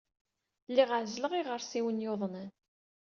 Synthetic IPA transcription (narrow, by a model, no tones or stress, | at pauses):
lːiʁəʕzləʁiʁəɾsiwənjoðˤnən